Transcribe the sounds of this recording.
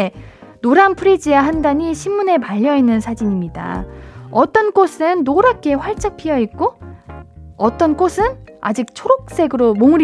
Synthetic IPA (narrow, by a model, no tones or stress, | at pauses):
noɾampʰɯɾid͡ʑijaɦandaɲiɕʰimːune̞paʎːʌinːɯnsʰad͡ʑiɲimɲida̰ʌt͈ʌnk͈osʰɯnːoɾak͈e̞ɸwaɭt͡ɕ͈ak̚pʰijʌik̚k͈o | ʌt͈ʌnkosʰɯna̰d͡ʑik̚t͡ɕʰoɾok̚s͈e̞ɡɯɾomomɯɾ